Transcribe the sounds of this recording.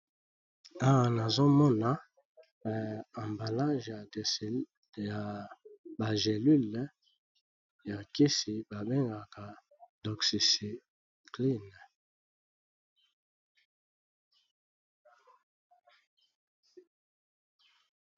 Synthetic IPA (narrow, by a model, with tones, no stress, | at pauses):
a˦wa˨na˨zo˦mɔ˦na˦˨ | ã˨mba˨la˦ʒja˨ds | ja˨ba˨ze˨ly˦l | ja˨ki˦si˨ba˨bɛ˦ŋɡa˨ka˨ | dɔ˨ksi˨si˨ | kli˦n˨